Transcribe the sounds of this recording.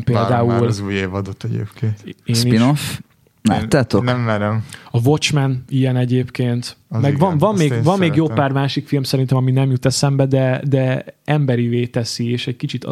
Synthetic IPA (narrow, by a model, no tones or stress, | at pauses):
mpeːld̪aːulzuːjeːvɒd̪ot̪ːɛɟḛːpkeːnt̪esːniinof | la̰ːt̪ːaːt̪onmːɛɾɛmɒvot͡ʃmɛniɛnɛɟeːpkeːnt̪mɛɡvɒmvɒmːeːvɒmːeːɡjoːpaːrmaːʃikfilmsɛɾint̪ɛmɒminɛmjut̪ɛsɛmbɛd̪ɛd̪ɛɛmbɛɾiveːt̪ɛsieːʃɛckit͡ʃit̪